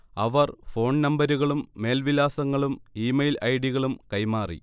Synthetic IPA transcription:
ɐʋɐrfo̞ːɳnɐmbɐɾuɣɐɭumːe̞ːlʋilaːsɐŋːɐɭumiːmɐjlɐjɽiɣɐɭumkɐjmaːrḭ

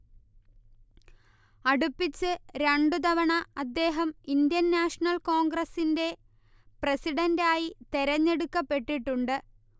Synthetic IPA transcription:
ɐɽupːit͡ɕːɨɾeɳɖud̪ɐʋɐɳɐɐd̪ːe̞ːɦɐmind̪jɐnːaːʂɐɳɐlko̞ːŋɡɾɐsinde̞ | prɐsiɽɐndaːjit̪e̞ɾɐɲːe̞ɽukːɐpːe̞ʈːiʈːuɳɖɨ

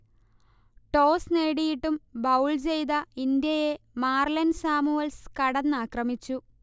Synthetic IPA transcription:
ʈo̞ːsneːɽijiʈːumbɐwɭt͡ɕe̞jd̪ɐind̪jɐje̞maːrlɐnsaːmuʋɐlskɐɽɐnːaːkrɐmit͡ɕːu

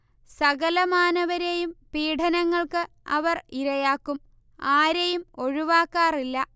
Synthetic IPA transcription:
sɐɣɐlɐmaːnɐʋɐɾejumpiːʈʰɐnɐŋːɐɭkɨ | ɐ̰ʋɐriɾɐjaːkːum | aːɾejumo̞ɻuʋaːkːaːrilːɐ

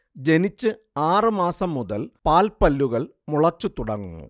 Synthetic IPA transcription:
d͡ʑe̞nit͡ɕːɨ | aːrɨmaːsɐmːuðɐlpaːlpɐlːuɣɐɭ | muɭɐt͡ɕːut̪uɽɐŋːṵnːṵ

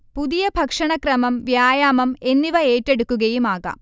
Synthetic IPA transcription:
puðijɐbʱɐkʂɐɳɐkrɐmɐmʋjaːjaːmɐme̞nːiʋɐe̞ːtːe̞ɽukːuɣɐjumaːɣa̰ːm

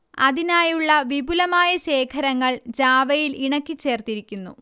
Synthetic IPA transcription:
ɐ̰ðinaːjuɭːɐʋibulɐmaːjɐɕe̞ːkʰɐɾɐŋːɐɭd͡ʑaːʋɐjiliɳɐkʲːit͡ɕːe̞ːrt̪iɾikʲːunːṵ

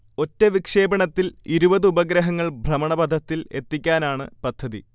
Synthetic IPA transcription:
o̞tːeʋikʂe̞ːbɐɳɐt̪ːiliɾubɐðɨubɐɡɾɐɦɐŋːɐɭbʱrɐmɐɳɐbɐd̪ʱːɐt̪ːile̞t̪ːikʲːaːnaːɳɨ̰pɐd̪ʱːɐðḭ

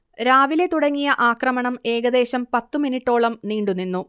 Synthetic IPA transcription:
ɾaːʋile̞t̪uɽɐŋːijɐʔaːkrɐmɐɳɐme̞ːɡɐd̪e̞ːɕɐmpɐt̪ːuminiʈːo̞ːɭɐmniːɳɖuninːu

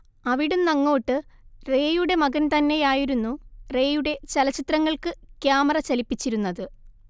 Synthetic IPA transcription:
ɐʋiɽumnɐŋːo̞ːʈːɨre̞ːjuɽe̞mɐɡɐnt̪ɐnːe̞jaːjiɾunːure̞ːjuɽe̞t͡ɕɐlɐt͡ɕit̪rɐŋːɐɭkɨkjaːmɐrɐt͡ɕɐlipːit͡ɕːiɾunːɐðɨ

